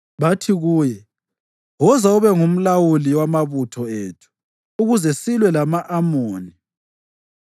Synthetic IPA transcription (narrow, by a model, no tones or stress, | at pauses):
βatʰiɣuːjɛ | wɔzauβɛŋum̩lawuliwamaβutʰɔeːtʰu̥ː | ɣuzɛsilwɛlamaʔamoːni